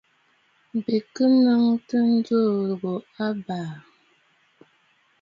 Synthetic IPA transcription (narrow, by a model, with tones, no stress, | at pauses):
bi˨kɨ˦nɨ˦ŋtɨ˦n̩˦d͡ʒo˦˨ɾɣo˨a˦baː˨